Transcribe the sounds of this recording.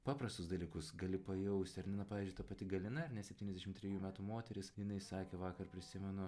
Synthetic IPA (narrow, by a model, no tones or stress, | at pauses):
pɑːpɾɐst̪ʊsd̪ɐlʲiːkʊsɡɐlʲɪpɐjɛʊsʲt̪ʲɐɾʲnʲɪnɐpɑːʋʲizd͡ʒʲʊɪt̪ɐpɐt̪ʲɪɡɐlʲɪnɐɐɾnʲɛsʲɛpʲtʲiːnʲɛzd̪ʲɛʃɪmt̪ʲɾʲɛjuːmʲæːt̪umoːt̪ʲɛɾʲɪsjɪnɐɪsɑːkʲeːʋɑːkɐrpʲɾʲɪsʲɪmʲɛnʊ